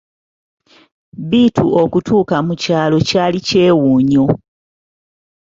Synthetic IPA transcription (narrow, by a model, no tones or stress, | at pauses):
biːtuokutuːkamucaːlo̞caːlice̞ːwuːɲo